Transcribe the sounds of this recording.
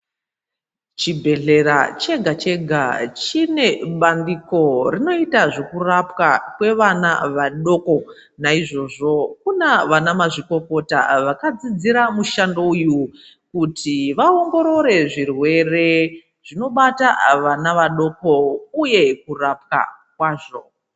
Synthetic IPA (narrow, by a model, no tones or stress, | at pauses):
t͡ʃibʱe̞ɮe̞ɾat͡ʃe̞ɡʱat͡ʃe̞ɡʱat͡ʃine̞ɓandiko̞rino̞itaʐe̞kurapkakwe̞ʋanaʋaɗo̞ko̞ | naiʐo̞ʐo̞kunaʋanamaʐiko̞ko̞ta̰ʋakad͡zid͡ziɾamuʃandouju | kutʰiʋaoŋɡo̞ɾo̞ɾe̞ʐirwe̞re̞ | ʐ̥ino̞ɓata̰ʋanaʋaɗo̞ko̞uje̞kurap̚ka̰kwaːʐo̞̰